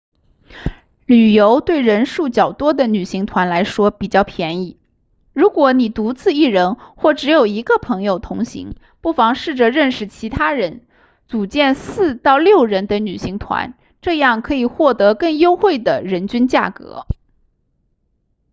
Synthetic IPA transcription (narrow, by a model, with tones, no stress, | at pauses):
ly˨˩jo˧˥ʊt̪we˥˩ɪɻə˧˥nʂu˥˩t͡ɕjɑ˨˩ʊt̪wɔ˥d̪ə˨ny˨˩ɕi˧˥ŋt̪ʰwa˧˥nla˧˥ɪʂwɔ˥pi˨˩t͡ɕjɑ˥˩ʊpʰjɛ˧˥ni˥˩ | ɻu˧˥kwɔ˧˥ni˨˩t̪u˧˥t͡sɹ̩˥˧i˥˩ɻə˧˥nxwɔ˥˩ʈ͡ʂɻ̩˧˥jo˨˩ʊi˧˥ɡə˧pʰɤ˧˥ŋjo˧ʊt̪ʰʊ˧˥ŋɕḭ˧˥ŋ | pu˥˩fɑ˧˥ŋʂɻ̩˥˩ʈ͡ʂɤ˨˩ɻə˥˩nʂɻ̩˨˩t͡ɕʰi˧˥t̪ʰa˥ɻə˧˥n | t͡su˨˩t͡ɕjɛ˥˧nsɹ̩˥˧t̪ɑ˥˧ʊljo˥˩ʊɻə˧˥nd̪ə˧ny˨˩ɕi˧˥ŋt̪ʰwa̰˧˥n | ʈ͡ʂɤ˥˧jɑ˥˩ŋkʰɤ˧˥i˨˩xwɔ˥˩t̪ɤ˧˥kɤ˥˧˩ŋjo˥ʊxwe˥˩ɪd̪ə˩ɻə˧˥nt͡ɕy˥nt͡ɕja̰˥˩kɤ̰˧˥